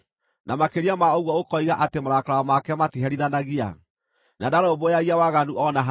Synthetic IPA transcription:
namakeɾiamaoɣwɔokɔiɣaʔatemaɾakaaamakɛmatiɦɛɾiðanaɣia̰ | nadaɾaobojaɣiawaɣanuʔɔnaɦa

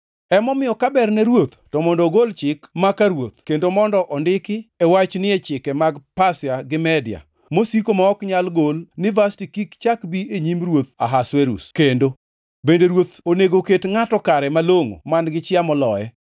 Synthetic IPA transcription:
ɛmɔmɪjɔkabɛrnɛɾwot̪tɔmɔndoɡolt͡ʃɪkmakaɾwot̪kendomɔndɔʔɔndɪkɪɛwat͡ʃnɪɛt͡ʃɪkɛmaɡpasɪaɡɪmɛdɪa̰ | mosikomaɔkɲalɡolnɪvastikikt͡ʃakbieɲimrwot̪a̰ɦasweɾṵskendo | bendeɾwot̪oneɡoketŋatɔkaɾɛmaloŋo̰manɡɪt͡ʃɪamɔlɔjɛ

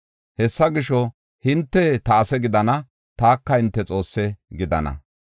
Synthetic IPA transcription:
hɛsːɐɡɪʃɔ | hɪnt̪ːɛt̪ɐːsɛɡɪd̪ɐnɐ | t̪aːkːɐhɪnt̪ːɛt͡sʼo̞ːsːɛɡɪd̪ɐ̰nɐ̰

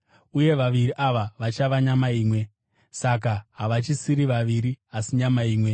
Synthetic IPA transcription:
uje̞ʋaʋiriʔaʋaʋat͡ʃaʋaɲamaiːmwe̞ | sak̬aɦaʋat͡ʃisiɾiʋaʋiɾiasiɲamaiːmwe̞

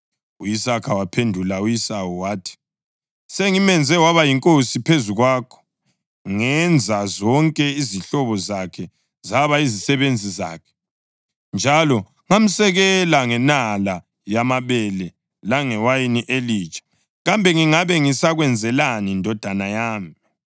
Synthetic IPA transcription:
ujisakʰawapʰendʱulaujisawuwaːtʰi̥ | seŋimɛnd͡zʱɛwaβajiŋkʼosipʰezuɣwaːkʰɔ̥ | ŋɛnd͡zʱazɔŋkʼɛiziɬɔβɔzakʰɛ | zaβaizisɛβend͡zʱiza̰ːkʰɛ̥ | nd͡ʒʱalɔ | ŋam̩sɛɣɛlaŋɛnala | jamaβɛlɛ | laŋɛwajiniʔeliːt͡ʃʼḁ | ɣambʱɛŋiŋaβɛŋisaɣwɛnd͡zʱɛlanindʱɔd̥ʱanajaːmi

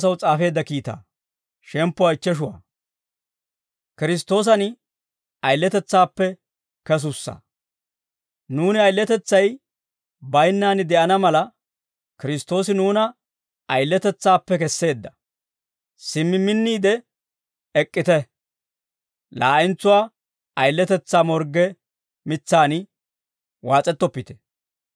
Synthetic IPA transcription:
s̬ɐwt͡sʼaːfe̞ːd̪ːɐkiːt̪a̰ː | ʃɛmpːɔɐɪt͡ʃːɛʃ̬ʊwa̰ː | kɪɾɪs̬t̪o̞ːs̬ɐn | ɐjlːɛt̪ɛt͡sːaːpːɛ | kɛs̬ʊsːɐ̰ | nuːnɪɐjlːɛt̪ɛt͡sːɐj | bɐjnːaːnɪd̪ɛʔɐnɐmɐlɐ | kɪɾɪst̪ːo̞ːs̬ɪnuːnɐ | ɐjlːɛt̪ɛt͡sːaːpːɛkɛsːe̞ːd̪ːɐ | sɪmːɪmːɪnːiːd̪ɛ | ɛkʼːɪt̪ɛ | laːʔɪnt͡sːʊwaː | ɐjlːɛt̪ɛt͡sːaːmɔɾɡɛ | mɪt͡sːaːnɪ | waːt͡sʼɛt̪ːɔpːɪt̪ɛ̥

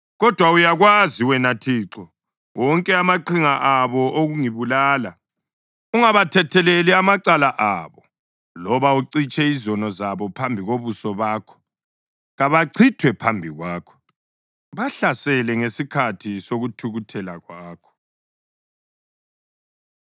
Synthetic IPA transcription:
ɣɔd̥ʱwaujaɣwaziwɛnatʰiːǁɔ | wɔŋkʼɛamaǃiŋaʔaβɔʔoɣuŋiβulaːla | uŋaβatʰɛtʰɛleliamaǀalaʔaβɔ | lɔβauǀit͡ʃʼɛizɔnɔzaβɔpʰambʱiɣoβusɔβaːkʰɔ̥ | ɣaβaǀʰitʰwɛpʰambʱiɣwaːkʰɔ̥ | βaɬasɛlɛŋesikʰatʰisoɣutʰuɣutʰɛlaɣwaːkʰɔ̥

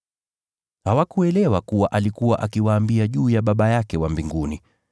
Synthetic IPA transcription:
hawakuɛlɛwakuwaʔalikuwaʔakiwaːmbiaʄuːjaɓaɓajakɛwambiŋɡuni

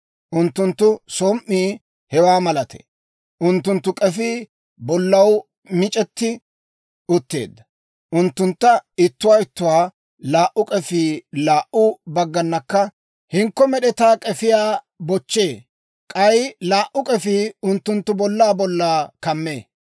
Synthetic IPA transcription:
ʔʊnt̪ːʊnt̪ːʊsoːmʔːiː | hɛwaːmɐlɐt̪ɛ̥̰ | ʔʊnt̪ːʊnt̪ːʊkʼɛfiː | bɔlːɐw | mɪt͡ʃʼɛt̪ːɪ | ʊt̪ːe̞̰ːd̪ːɐ | ʔʊnt̪ːʊnt̪ːɐɪt̪ːʊwaːɪt̪ːʊwaː | laːʔʊkʼɛfiːlaːʔʊbɐɡːɐnːɐkːɐ | hɪŋkːɔmɛɗɛt̪aːkʼɛfɪjaː | bɔt͡ʃːe̞ː | kʼɐjlaːʔʊkʼɛfiːʊnt̪ːʊnt̪ːʊbɔlːaːbɔlːaːkɐmːeː

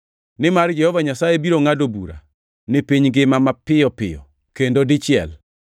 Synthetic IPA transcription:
nɪmard͡ʒɛhɔvaɲasajebiɾoŋadobṵɾa̰ | nɪpiɲɡɪmamapɪɔpɪ̰jɔ̰ | kendodɪt͡ʃɪɛ̰l

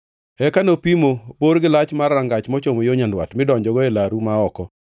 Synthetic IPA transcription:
ɛkanopimoboɾɡɪlat͡ʃmarːaŋɡat͡ʃmɔt͡ʃomojoɲandwa̰tmɪdɔɲd͡ʒɔɡɔelaɾumaɔkɔ

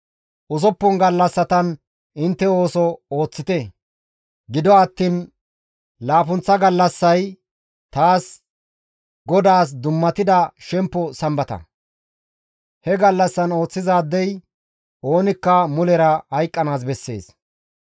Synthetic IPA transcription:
ʔʊsɔpːɔnɡɐlːɐsːɐt̪ɐn | ɪnt̪ːɛo̞ːsɔoːt͡sːɪt̪ɛ | ɡɪd̪ɔɐt̪ːiːn | laːfʊnt͡sːɐɡɐlːɐsːɐj | t̪aːs | ɡɔd̪aːs̬d̪ʊmːɐt̪ɪd̪ɐʃɛmpːɔsɐmbɐt̪ɐ̰ | hɛɡɐlːɐsːɐno̞ːt͡sːɪzaːd̪ːɛj | o̞ːnɪkːɐmʊlɛɾɐhɐjkʼːɐnaːs̬bɛsːe̞̰ːs

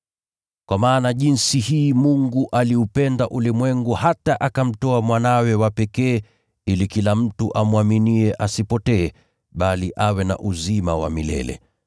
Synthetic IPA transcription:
kwamaːnaʄinsihiːmuŋɡuʔaliupɛndaʔulimwɛŋɡuhataʔakam̩tɔamwanawɛwapɛkɛː | ilikilam̩tuʔamwaminiɛʔasipɔtɛː | ɓaliʔawɛna̰ʔuzimawa̰milɛ̰lɛ̰

